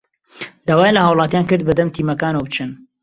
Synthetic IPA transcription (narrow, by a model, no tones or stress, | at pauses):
d̪aːwaːjlɐhaːwlˠɑːt̪jaːnkɨɾd̪̚bɐd̪ɐmt̪ʰiːmɐkaːnɐwbt͡ʃɨn